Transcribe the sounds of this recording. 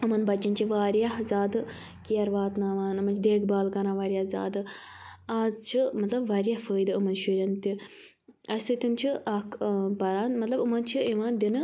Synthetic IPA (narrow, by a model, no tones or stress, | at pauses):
ɨmɐnbɐt͡ʃːɐnt͡ʃʰiʋaːɾjaɦzʲaːd̪ɨ | kijɐɾʋaːt̪naːʋaːnɨmɐnt͡ʃʰid̪eːkʰbaːlkɐɾãːʋaːɾʲjaːzʲa̰ːd̪ɨaːzt͡ʃʰimɐt̪lɐbʋaːɾijahfəːjd̪ɨɐmɐnʃuɾʲɐnt̪i | ɐsɨt̪int͡ʃʰiʔɐkbɐɾaːnmɐt̪lɐbɨmɐnt͡ʃʰiiʋaːnd̪inɨ